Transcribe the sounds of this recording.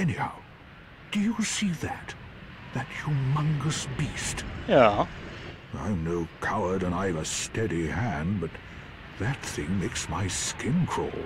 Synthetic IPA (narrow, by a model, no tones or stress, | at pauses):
ɛnihaʊ | d̥ɨjəsiðɨt̪̚ | ðɨt͡ʃə˞mʌ̃ŋɡəsb̥istjæ | ã̰ɪ̃mnoʊkʰaʊə˞ɾə̃naɪvɨstɛɾihæ̃nbʌt̪̚ | ðɨt̪̚θɪ̃ŋmeɪksmaɪskɪ̃nkʰɹ̥ɔ̰lˠ